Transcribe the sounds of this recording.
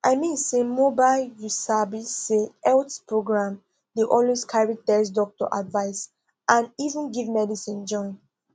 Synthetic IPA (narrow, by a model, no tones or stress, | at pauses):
ʔaɪmĩnsemobaɪljusabisːeɛltpʰɹoɡɹãm | deʔɔlweskʰaɹitɛs̬dɔk̚tɔ̰ʔa̰dvaɪs | ʔãnivə̃nɡivmɛdisĩnd͡ʒɔ̃ɪ̃n